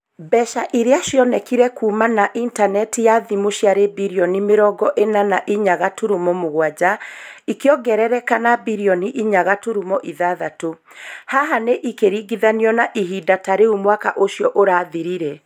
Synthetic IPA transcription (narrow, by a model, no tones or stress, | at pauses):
bɛʃaʔiɾeaʃjɔnɛkiɾɛkuːmanaʔintanɛtijaðimoʃijaɾebiɾiɔnimeɾɔɡɔʔenanaʔiɲaɣatuɾumɔmoɣwad͡ʑaikeɔɡɛɾɛɾɛkanabiɾiɔniʔiɲaɣatuɾumɔʔiðaðato | haɦaneʔikeɾiɡiðaniɔnaʔiɦidataɾeumwakaʔoʃjɔʔoɾaːðiɾiɾɛ